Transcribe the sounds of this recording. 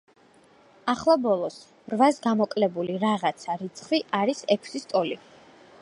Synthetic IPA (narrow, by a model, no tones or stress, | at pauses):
aχlˠabɔlˠɔs | ɾvasɡamɔkʼlɛbuliɾaʁat̪sʰaɾit̪sʰχwiʔaɾisɛkʰsist̪ʼɔli